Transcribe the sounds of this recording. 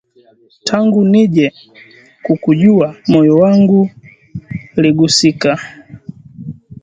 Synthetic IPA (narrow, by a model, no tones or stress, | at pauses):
tʰaŋɡuniʄɛ | kukuʄuamɔjɔwaŋɡu | liɡusika